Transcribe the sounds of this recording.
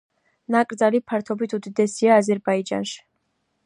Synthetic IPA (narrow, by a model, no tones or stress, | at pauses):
nakʼɾd̪zalipʰaɾt̪ʰɔbit̪ʰud̪id̪ɛsiaːzɛɾbaid͡ʒa̰nʃi̥